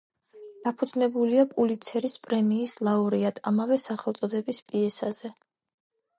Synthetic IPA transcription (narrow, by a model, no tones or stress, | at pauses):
d̪̥apʰud̪znɛbuliapʼulit̪sʰɛɾispʼɾɛmiːslˠauɾiad̪̥amavɛsaχɛlt̪sʼɔd̪ɛbispʼiɛsaz̥ɛ